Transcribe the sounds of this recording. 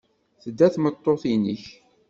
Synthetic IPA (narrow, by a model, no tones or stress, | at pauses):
θəd̪ːæθmət̪ˤːoθiniç